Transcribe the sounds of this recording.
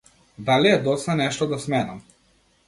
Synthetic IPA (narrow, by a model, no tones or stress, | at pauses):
d̪aliɛd̪ɔt̪st̪anɛʃt̪ɔd̪asmɛnam